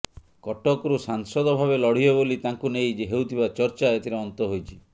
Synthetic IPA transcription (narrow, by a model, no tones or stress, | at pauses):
kɔʈɔkɾusaŋsɔd̪ɔbʱabelɔɽ̤iɔbolit̪aŋkunejd͡ʒeɦewt̪ʰibat͡ʃɔɾt͡ʃaet̪ʰiɾeɔnt̪ɔɦojt͡ʃʰi̥